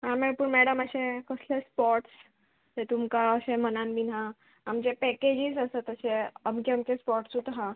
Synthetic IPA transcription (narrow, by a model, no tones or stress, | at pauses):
ɦamepuːɳmɛɽəməɕẽkəslespɔʈs | t̪et̪umkaəɕemənanbinaː | md͡ʑepɛked͡ʑizəsət̪əseəbɡamkespɔʈsut̪ɦã